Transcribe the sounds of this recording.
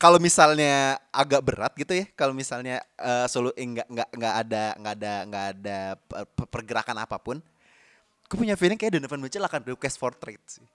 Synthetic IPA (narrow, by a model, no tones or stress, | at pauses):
kalomisalɲaaɡak̚bəɾa̰t̪̚ɡit̪ujakalomisalɲaəsoluʔeŋɡaʔŋɡaʔŋɡaʔːdaŋɡaːdaŋɡaːdaəppərɡəɾa̰kana̰papʊn | kupuɲafilɪŋkajadanəfanmət͡ʃəlakanreukɛsfɔrt̪ɾet̪̚sɪh